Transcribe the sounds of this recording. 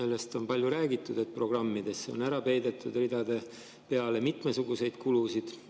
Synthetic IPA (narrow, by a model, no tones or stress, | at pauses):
e̞lːe̞st̪o̞npɑlʲjuɾæːɡ̥it̪ːˑud̪̥e̞t̪̚pro̞ɡ̥rɑmːid̪̥e̞sːeo̞næɾɑpe̞jd̪e̞t̪ːˑud̪̥rid̪̥ɑd̪̥e̞ | pe̞ɑle̞mit̪ˑme̞suɡ̥use̞jd̪̥kulusid̪̥